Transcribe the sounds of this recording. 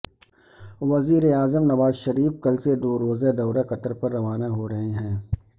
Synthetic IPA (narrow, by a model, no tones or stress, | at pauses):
ʋɐziːɾeaːzəmnɐʋaːzʃɐɾiːfkɐlsed̪oːɾoːzed̪ɐːɾaqɐt̪əɾpɐɾːɐʋaːnaɦoɾɐɦeɦɛ̃ː